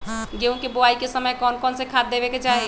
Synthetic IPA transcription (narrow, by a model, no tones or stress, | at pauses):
ɡeũkeboaikesəməjkɔːnkɔːnsekʰat̪ːebeket͡ʃaɦe